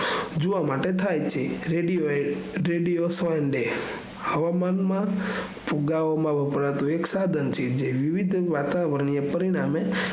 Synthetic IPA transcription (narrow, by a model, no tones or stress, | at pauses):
d͡ʒoʋamaʈet̪ʰajt͡ʃʰeɾeɖioeɾeɖijosɔənɖe | həʋamanmã | puɡaomãʋəpəɾat̪ũeksad̪ʱənt͡ʃʰed͡ʒeʋiʋid̪ʱʋat̪aʋəɾɳiepəɾiɽ̃ame